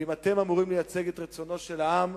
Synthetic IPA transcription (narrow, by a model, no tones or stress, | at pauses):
imat̪emamuʁimlejat͡seɡet̪ʁet͡sono̞ʃelaam